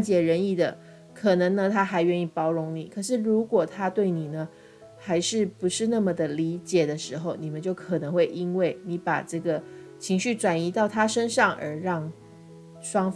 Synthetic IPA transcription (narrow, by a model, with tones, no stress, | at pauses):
nt͡ɕjɛ˨˩ɻə˧˥ni˥˩d̪ə˩ | kʰɤ˨˩nɤ˧˥ŋnə˧t̪ʰa˥xa˧˥ɪɥɛ˥˧ni˥˩pɑ˥ʊɻʊ˧˥ŋni˨˩˦kʰɤ˨˩ʂɻ̩˥˩ɻu˧˥kwɔ˨˩t̪ʰa˥t̪we˥˩ɪni˨˩nə˦ | xa˧˥ɪʂɻ̩˥˩pu˧˥ʂɻ̩˥˧na˥˩mə˩d̪ə˩li˧˥t͡ɕjɛ˨˩d̪ə˦ʂɻ̩˧˥xo˧ʊni˨˩mə˦nt͡ɕjo˥˩ʊkʰɤ˨˩nɤ˧˥ŋxwe˥˩ɪʔi˥nwe˥˩ɪni˧˥pa̰˨˩ʈ͡ʂɤ˥˩ɡə˩ | t͡ɕʰi˧˥ŋɕy˥˩ʈ͡ʂwa˨˩ni˧˥t̪ɑ˥˩ʊt̪ʰa˥ʂə˥nʂɑ˥˩ŋə̰˞˧˥ɻɑ˥˩ŋ | ʂwɑ˥ŋf